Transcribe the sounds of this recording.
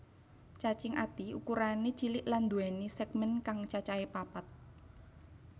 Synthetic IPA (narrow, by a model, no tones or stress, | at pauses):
t͡ʃat͡ʃɪŋʔa̰t̪iukuɾanet͡ʃilɪʔland̪uɛnisɛɡ̚mɛnkaŋt͡ʃat͡ʃaepapat̪̚